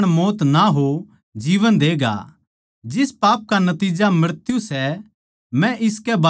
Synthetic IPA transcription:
ɽ̃moːt̪naɦo | d͡ʒiːʋənd̪eːɡa̰ː | d͡ʒɪspaːp̚kanɐt̪iːd͡ʒamɐɾt̪jusɛ | mɛ̃ʔɪskɛba

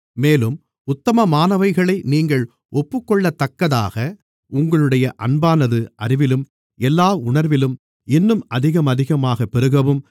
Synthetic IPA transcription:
meːlɯm | ʊt̪ːɐmɐmaːnɐʋɐɪɣɐɭɐɪniːŋɡɐɭ | ʔɔpːɯkːɔɭːɐt̪ːɐkːɐða̰ːɣɐ | ʊŋɡɐɭɯɽɐjɐʔɐnbaːnɐðɯɐɾɪʋɪlɯm | ɛlːaːʊɳɐɾʋɪlɯm | ɪnːɯmɐðɪɣɐmɐðɪɣɐmaːɣɐpːɛɾɯɣɐʋɯm

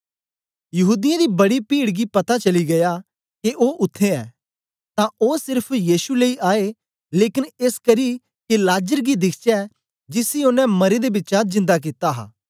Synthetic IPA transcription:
jɐɦuːd̪ɪjãd̪ibɐɽipiːɽɡipɐt̪at͡ʃɐliɡɐja | keʔoːʔʊt̪ʰːeɛː | t̪ãoːsɪɾpʰjiːsuleiʔaːe | leːkɪneːskɐɾi | kelaːd͡ʒəɾɡid̪ɪkʰt͡ʃɛ | d͡ʒɪsiʊnɛ̃mɐɾed̪ebɪːt͡ʃazɪ̃nd̪ak̬it̪aɦa̰ː

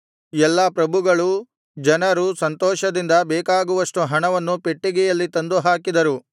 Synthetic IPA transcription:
ɛlːɐpɾɐbʱuɡɐɭu | d͡ʒɐnɐɾusɐnt̪ɔːʃɐd̪ind̪ɐbɛːkaːɡuʋɐʂʈuɦɐɳɐʋɐnːupeʈːiɡɛjɐlːit̪ɐnd̪uɦaːkid̪ɐɾu

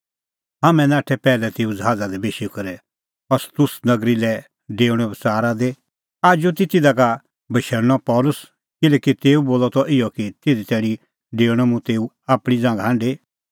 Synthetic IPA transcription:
ɦaːmɛ̃naːʈʰɛpɛːlɛt̪eːud͡ʒɦaːd͡zad̪ɛbeːʃiukɐɾɛ | ɔst̪ʊsnɐɡɾilɛ | ɖeːʊɽ̃ɔ̃bsaːɾad̪e | aːd͡ʒut̪̬ɪt̪ɪd̪aka | bɐʃɛɾñɔpɔːlʊs | kɪlɛːkit̪eːuboːlɔt̪ɔʔɪjɔkit̪ed̪it̪ɛːɽ̃ĩ | ɖeːɽ̃ɔmũt̪eːu | aːpɽ̃id͡zãːŋɡaɦãːɳɖe

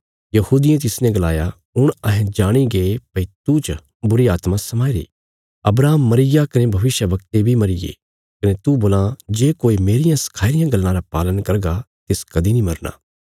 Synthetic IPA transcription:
jɐhuːd̪ɪjẽt̪̬ɪsnɛ̃ɡɐlaːja | ʊɽ̃ɐɦɛ̃d͡ʒaːɽ̃iɡepɐit̪ut͡ʃ | bʊɾiaːt̪mãsɐmaːiɾḭː | ɐ̰bɾaːmːɐɾɪjakɐnebʱɐʋɪʃjəʋɐk̚t̪ebʱimɐɾɪjḛ | kɐnet̪uboːlãd͡ʒeːkoːimeːɾɪjãsɐ̥kʰaːɪɾɪjãɡɐlːãɾapaːlənkɐɾɡa | t̪ɪskɐd̪inĩmɐɾna̰ː

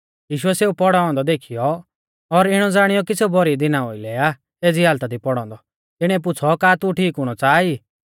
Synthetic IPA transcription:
jiːʃʊɛseːupɔɽaːɔ̃nd̪ɔd̪eːkʰijɔ | ɔɾɪɽ̃ɔd͡zaːɽ̃ɪjɔk̬iseubɔɾid̪ɪnaɦoːilɛːa | eːd͡ziɦaːlt̪ad̪ipɔɽ̃ɔ̃ːnd̪ɔ | t̪ɪɽ̃ɛ̃p̬ʊt͡sʰɔkaːt̪uʈʰiːkɦʊɽ̃ɔt͡saːiː

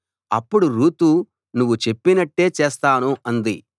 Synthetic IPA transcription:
ɐpːuɽuɾuːt̪u | nuʋːut͡ʃe̞pːinɐʈːe̞ːt͡ʃeːst̪aːnuɐnd̪i

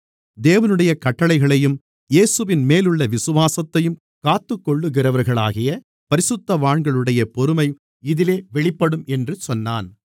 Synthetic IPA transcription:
d̪eːʋɐnɯɽɐjɐkɐʈːɐɭɐɪɣɐɭɐjɯm | jeːsɯʋɪnmeːlɯɭːɐʋɪsɯʋaːsɐt̪ːɐjɯm | kaːt̪ːɯkːɔɭːɯɣɪrɐʋɐɾɣɐɭa̰ːɣɪjɐ | pɐɾɪsɯt̪ːɐʋaːɳɡɐɭɯɽɐjɐpɔɾɯmɐɪ | ɪðɪleːʋɛɭɪpːɐɽɯmɛndrɯsɔnːa̰ːn

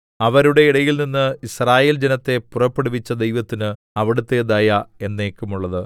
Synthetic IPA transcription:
ɐʋɐɾuɽe̞iɽɐjilninːɨisraːje̞ːld͡ʑenɐt̪ːe̞purɐpːe̞ɽuʋit͡ɕːɐd̪ejʋɐt̪ːinɨ | ɐʋiɽut̪ːe̞ːðaːjɐe̞nːe̞ːkːumuɭːɐðɨ

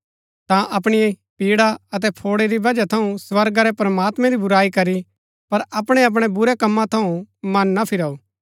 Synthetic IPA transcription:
t̪ãʔɐpɽ̃ije | piːɽaɐt̪̬ɛpʰoːɽeɾibɐd͡ʒat̪ʰɐũsʋɐɾɡaɾɛpɾɐmaːt̪mɛ̃ɾibʊɾaːikɐɾi | pɐɾɐpɽ̃eɐp̬ɽ̃ebʊɾɛkɐmːãt̪ʰɐũmɐnːapʰɪɾaːuː

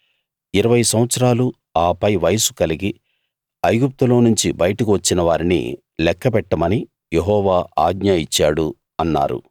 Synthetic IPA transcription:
iɾɐʋɐjsɐmɐt̪sɾaːlu | aːpɐjʋɐjɐsu̥kɐliɡi | ɐjɡup̚t̪ulo̞ːnuɲt͡ʃibɐjɐʈɐkiʋɐt͡ʃːinɐʋaːɾinḭ | lɛkːɐpɛʈːɐmɐni | jeɦɔːʋaːʔaːɡ̚ɲaːjit͡ʃːaːɽu | ɐnːa̰ːɾṵ

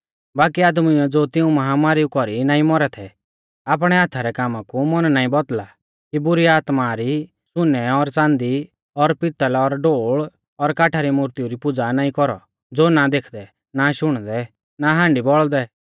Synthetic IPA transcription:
baːkiaːd̪mɛ̃d͡zoːt̪ɪũmɐɦamaːɾiukɔɾinaːĩmɔɾɛt̪ʰɛ | ap̬ɽ̃ɛat̪ʰaɾɛkaːmãkumɔnnaːĩbɔd̪la | kibʊɾiaːt̪maɾi | sʊnɛɔɾt͡sãːnd̪i | ɔɾpɪt̪əlɔɾɖoːɭ | ɔɾkaːʈʰaɾimuɾt̪iuɾipʊd͡zanaːĩkɔɾɔ̰ | d͡zoːnad̪eːkʰd̪ɛ | naʃʊɽ̃d̪ɛ | naɦãːɳɖibɔɭd̪ɛ

